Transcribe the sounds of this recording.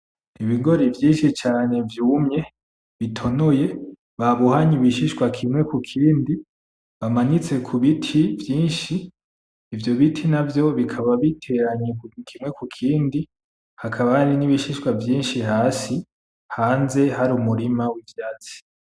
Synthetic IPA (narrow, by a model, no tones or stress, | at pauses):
iβiŋɡo̞ɾivjiːnʃit͡ʃaːne̞vjuːmɲe̞ | βitʰo̞noje̞ | βaβuhaɲiβiʃiʃkwakʰimŋwe̞kukʰiːndi | βamaɲit͡se̞kʰuβitʰivjiːnʃiː | vjo̞βitʰinavjo̞βikʰaβaβitʰe̞ɾaɲekukʰimŋe̞kukʰiːndi | hakʰaβaɾiniβiʃiʃkwavjiːnʃihaːsi | haːnze̞ɦaɾumuɾimawivjaːt͡si̥